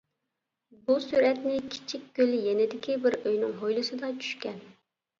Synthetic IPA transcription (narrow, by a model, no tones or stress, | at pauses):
busuɾɛt̪nɪkʲʰi̥t͡ʃʰikʲkʲːølɪjɛnɪd̪ɪkʲibɪɾøjnɪŋɦojlˠɨsɨd̪ɑt͡ʃʰy̥ʃkʲɛn